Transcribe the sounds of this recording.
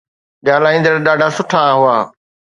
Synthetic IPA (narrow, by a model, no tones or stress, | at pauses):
ɠaːlaːĩːnd̪əɾɗaːɖʱasʊʈʰaɦʊaː